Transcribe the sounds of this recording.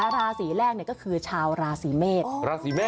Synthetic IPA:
lɾaː˧siː˩˦lɛː˥˩k̚ni˩kɔ˥˩kʰɯː˧t͡ɕʰaː˧wɾaː˧siː˩˦meː˥˩t̚ɾaː˧siː˩˦meː˥˩

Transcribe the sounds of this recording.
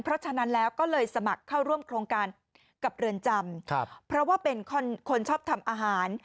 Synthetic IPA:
ŋpʰɾɔ˦˥t͡ɕʰa˧na˦˥nlɛː˦˥wkɔː˥˩lɤː˧jsa˧ma˨˩kʰːa˥˩wɾu˥˩əmkʰɾoː˧ŋkaː˧n | ka˨˩p̚ɾɯ˧ənt͡ɕa˧mkʰpʰɾɔ˦˥waː˥˩pe˧nkʰɔ˧˥nkʰo˧nt͡ɕʰɔː˥˩p̚t̪ʰa˧mʔaː˧ɦaː˩˦n

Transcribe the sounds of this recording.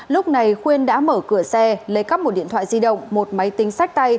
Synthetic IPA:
lʊ˦˥k͡p̚na˨˩jxwi˧ənɗa̰ː˧˥məː˧˩kɨ˧˩əsɛ˧lə˨˦jka˦˥p̚mo˨˩t̚ɗḭ˧˨ənt̪ʰw̰a̰ː˧˨zi˧ɗə̰˧˨wŋ͡mmo˨˩t̚ma˨˦jt̪ï˨˦ŋ̟sa˦˥jk̟̚t̪a˧j

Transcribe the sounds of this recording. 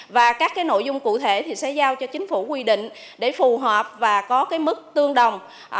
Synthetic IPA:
vaː˨˩kaː˦˥k̚ːaː˨˦jno̰˧˨jzʊ˧ŋ͡mkṵ˧˨t̪ʰe˧˩t̪ʰi˨˩sɛ̰˧˥zaː˧wt͡ɕɔ˧t͡ɕï˨˦ŋ̟fu˧˩kwi˧ɗḭ̈˧˨ŋ̟ | ɗe˧˩fu˨˩ɦaː˨˩p̚vaː˨˩kɔ˨˦kaː˨˦jmɨ˦˥k̚t̪ɨ˧əŋɗə˨˩wŋ͡m

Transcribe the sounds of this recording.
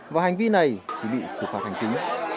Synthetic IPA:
vaː˨˩hjŋ̟vi˧na˨˩jt͡ɕi˧˦ɓḭ˧˨sɨ̰˧˩faː˧˩t̚ha˨˩jŋ̟t͡ɕï˨˦ŋ̟

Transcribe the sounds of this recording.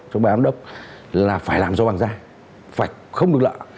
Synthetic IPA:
t͡ɕɔ˧ɓaː˨aː˧mɗə˦˥wk͡p̚ | laː˨˩faː˧˩jlaː˨˩mzɔ˧˩ɓaː˨˩ŋzaː˧ | faː˧˩j | xə˧wŋ͡mɗək̚lə̰ː˧˨

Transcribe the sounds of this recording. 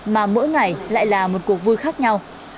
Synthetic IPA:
maː˨˩mə̰˧˥jŋa˨˩jla̰ː˧˨jlaː˨˩mo˨˩t̚ku˨˩ək̚vu˧jxaː˦˥k̚ɲa˧w

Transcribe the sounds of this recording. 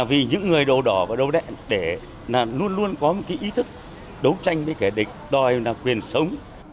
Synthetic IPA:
vi˨˩ɲɨ̰˧˥ŋːɨ˨˩əjɗo˨˩ɗɔ˧˩vaː˨˩ɗə˨wɗɛ̰˧˨nɗe˧˩ | laː˨˩lu˧ənlu˧ənkɔ˨˦mo˨t̚kaː˨˦jʔi˨˦t̪ʰɨ˦˥k̚ | ɗə˨˦wt͡ɕa˧jŋ̟ɓe˨˦ke˧˩ɗï˨˩k̟̚ɗɔ˨˩jnaː˨˩kwi˨˩ənsə˨˦wŋ͡m

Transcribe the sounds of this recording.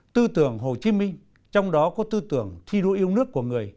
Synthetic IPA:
t̪ɨ˧t̪ɨ˧˩əŋɦo˨˩t͡ɕi˨˦mï˧ŋ̟ | t͡ɕɔ˧wŋ͡mɗɔ˨˦kɔ˨˦t̪ɨ˧t̪ɨ˧˩əŋt̪ʰi˧ɗo̰˧ʔi˧əwnɨ˦˥ək̚ːu˧˩əŋɨ˨˩əj

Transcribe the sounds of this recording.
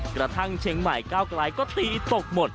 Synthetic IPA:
kɾa˧t̪ʰa˥˩ŋt͡ɕʰe˨˦ŋma˨˩jkaː˥˩wklaː˨˧˥jkɔː˥˩t̪iː˧˩˧t̪o˨˩k̚mo˨˩t̪̚

